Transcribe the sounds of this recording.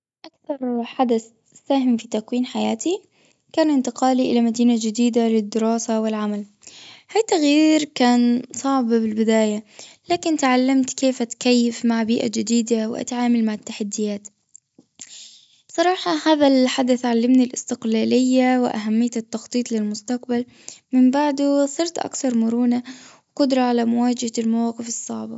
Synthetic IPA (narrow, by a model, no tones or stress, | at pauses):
ʔakθɑɾˤħad̪aθ | saːɦɪmfit̪akwiːnħajaːt̪ʰi | kaːnɪnt̪ɪqɑːliʔɪlamad̪iːnad͡ʒɪd̪iːd̪alɪd̪ːɪɾɑːsawɪlʕamal | haːjt̪aɣjiːɾkaːnsˤɑʕbbɪlbɪd̪aːjalaːkɪnt̪ʕalːamt̪keːfʔat̪kajːɪfmaʕbiːʔa̰d͡ʒɪd̪iːd̪awɪʔa̰t̪ʕaːmalmaʕɪt̪ːaħad̪ːɪjaːt̪ | b̥sˤɑɾˤɑːħɑhaːðalħad̪aθʕalːamnilʔɪst̪ɪqlaːlɪjːawɪʔa̰ɦamːɪjːat̪ɪt̪ːɑxt̪ˤiːt̪ˤlɪlmʊst̪aqbal | mɪmbaʕd̪usˤɨɾt̪ʔa̰kθɑɾˤmʊɾuːnawqʊd̪ɾˤɑʕalamʊwaːd͡ʒahalmawɑːqɨfɨsˤːɑ̰ʕbɑ